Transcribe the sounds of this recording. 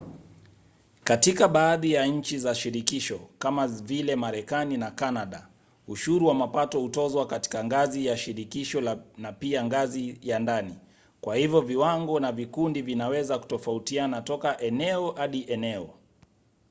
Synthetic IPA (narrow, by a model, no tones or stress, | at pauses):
katikaɓaːðijaɲ̩t͡ʃizaʃiɾikiʃɔkamavilɛmaɾɛkaninakanaɗa | uʃuɾuwamapatɔhutɔzwakati̥kaŋɡazijaʃiɾikiʃɔlnapiaŋɡazijandani | kwʔahivjɔviwaŋɡɔnavikundivinawɛzaku̥tɔfautianatɔkaʔɛnɛɔhaɗiʔɛnɛɔ